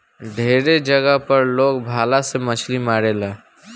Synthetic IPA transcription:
ɖʱeːɾed͡ʒəɡəɦpəɾloːɡbʱaːlasemət͡ʃʰlimaːɾelaː

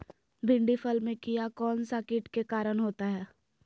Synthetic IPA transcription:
bʱɪ̃ɳɖifʰəlmẽkijakɔːnsaːkɪʈkekaːɾəɽ̃ɦoːt̪aɦɛː

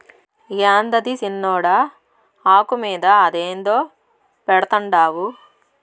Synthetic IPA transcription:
jaːnd̪ɐd̪isinːɔːɽɐ | aːkumiːd̪ɐːd̪eːnd̪oː | pɛɽɐt̪ɐɳɖaːwu

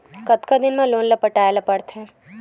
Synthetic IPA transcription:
kɐt̪kad̪ɪnmẽloːnlɐpəʈaːelapɐɽt̪ɦɛ̃ː

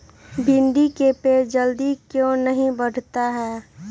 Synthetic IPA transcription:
bʱɪnd̪ikepeːd͡ʒəld̪ikjõnəɦĩbəɽ̤t̪aɦɛː

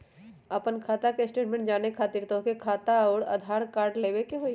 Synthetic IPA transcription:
ɐpənkʰaːt̪akesʈeːʈmɛ̃ɳʈ̚d͡ʒaːnekʰaːt̪iːɾt̪okekʰaːt̪aɔːɾɐ̰d̪ʱaːɾkaːɾɖleːwekeɦoːi

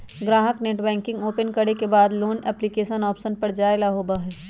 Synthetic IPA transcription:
ɡɾãːɦəkneːʈbɛ̃ːŋkɪ̃ŋɡoːpənkɐɽekebaːd̪loːnɛːplikeːʃənɔːpsənpɐɾd͡ʒaːelaɦoːbaɦɛː

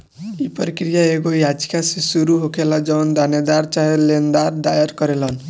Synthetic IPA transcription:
ipɔɾikɾijaeɡojad͡ʒkʰasisuɾuɦokʰelad͡ʒɔnd̪aned̪aɾt͡ʃaelend̪aɾd̪ajaɾkɔɾelɔn

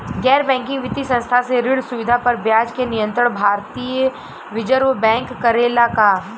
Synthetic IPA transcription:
ɡɛːɾbɛ̃ːŋkɪ̃ŋɡʋɪt̪isɐ̃nst̪ʰaseɾɪɽsʊʋɪd̪ʱapɐɾbjaːd͡ʒkenɪjə̃nt̪ɾəɽbʱaːɾt̪iːjə | ʋɪd͡ʒəɾobɛ̃ːŋkːɐɾeːlaka

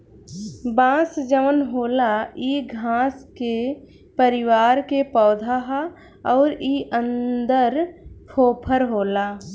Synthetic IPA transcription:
bãːsd͡ʒəmənɦoːlaiɡʱãːske | pəɾɪʋaːɾkepɔːd̪ʱaɦa | ɔːɾiːʔə̃nd̪əɾkʰoːpʰəɾɦoːlaː

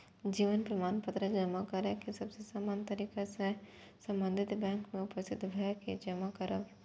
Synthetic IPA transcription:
d͡ʒiːʋənpɾɐmaːnpət̪ɾəd͡ʒɐmakɐɾəkesɐbsesaːmaːnt̪ɐɾiːkase | sɐ̃mbə̃nd̪ʱɪt̪bɛ̃ːŋkmẽʊpəst̪ʰɪt̪ːbʱɐked͡ʒɐmakɐɾə̰

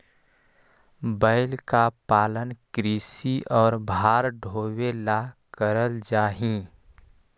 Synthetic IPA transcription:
bəɪlkapaːlənkɾiːsiʔɔːɾbʱaːɾɖʱoːwelakəɾəld͡ʒaːɦĩ

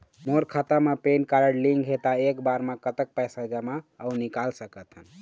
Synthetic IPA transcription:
moɾkʰat̪amepenkaɾəɽliŋɡɦet̪aekbaɾmekət̪ək̚pəjsad͡ʒəmaənikalsəkət̪ɦən

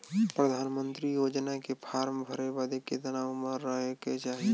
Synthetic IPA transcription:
pɾəd̪ʱanmənt̪ɾijod͡ʒnakepʰaːɾmbʱəɾebad̪eket̪ənauməɾːəɦeket͡ʃaɦi

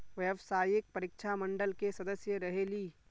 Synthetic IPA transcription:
ʋɐjəʋsaːjɪk̚pɐɾɪkʃʰamɐ̃ɳɖəlkesɐd̪əsjəɾɐɦeːliː

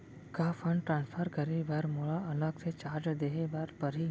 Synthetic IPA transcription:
kafʰə̃ɳɖʈɾãːnspʰəɾkəɾebaɾmʊɭaɐləɡset͡ʃaːɾd͡ʒd̪eːɦebaɾpəɾi

